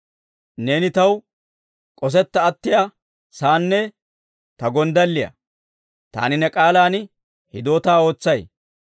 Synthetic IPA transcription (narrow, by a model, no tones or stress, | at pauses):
ne̞ːnɪt̪ɐw | kʼɔs̬ɛt̪ːɐːt̪ːɪja | saːnːɛ | t̪ɐɡɔnd̪ɐlːɪjɐ̰ | t̪a̰ːnɪnɛkʼaːlaːn | hɪd̪o̞ːt̪aːo̞ːt͡sːɐj